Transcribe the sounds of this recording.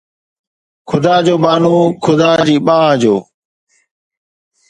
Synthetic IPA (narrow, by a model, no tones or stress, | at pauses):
kʰʊd̪aːd͡ʒoːɓaːnoːkʰʊd̪aːd͡ʑiːɓãːãd͡ʑoː